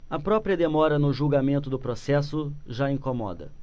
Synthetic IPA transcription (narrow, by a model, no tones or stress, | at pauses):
ɐpɾɔpɾiɐd̪emɔɾɐnʊʒuɡamẽnt̪ʊd̪ʊpɾosɛsʊʒaĩkomɔ̰d̪ɐ̰